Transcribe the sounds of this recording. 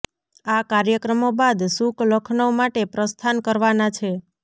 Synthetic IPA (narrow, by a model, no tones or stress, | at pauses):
akaɾjəkɾəmobad̪sukləkʰnəʋmaʈepɾəst̪ʰankəɾʋanat͡ʃʰe